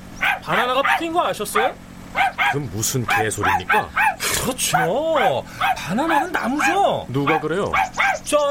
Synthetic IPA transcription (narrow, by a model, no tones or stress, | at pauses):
pananaɣapʰikʰinɡʌaɕʰʌs͈ʌjo | kɯmmusʰɯnke̞sʰoɾimɲik͈a̰kɯɾʌt͡ɕʰio | panananɯnːamud͡ʑonuɡakɯɾe̞jo̰t͡ɕʌ